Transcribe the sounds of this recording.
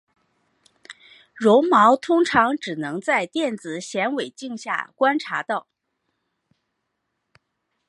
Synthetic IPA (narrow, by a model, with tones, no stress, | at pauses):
ɻʊ˧˥ŋmɑ˧˥ʊt̪ʰʊ˥ŋʈ͡ʂʰɑ˧˥ŋʈ͡ʂɻ̩˨˩nɤ˧˥ŋt͡sa˥˧ɪt̪jɛ˥˩nt͡sɹ̩˨˩ɕjɛ˧˥nwe˨˩ɪt͡ɕi˥˧ŋɕja̰˥˩kwa˥nʈ͡ʂʰa˧˥t̪ɑ˥˩ʊ